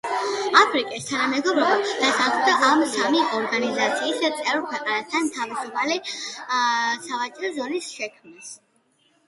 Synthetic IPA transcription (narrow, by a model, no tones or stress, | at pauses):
apʰɾikʼist̪ʰanamɛɡɔbɾɔbad̪̥asaχmd̪aʔamsamiɔɾɡanizat̪sʰiːst̪sʼɛvkʰwɛqʼanast̪ʰanmt̪ʰavisupʰali | savat͡ʃʼɾɔzɔnisʃɛkʰmnas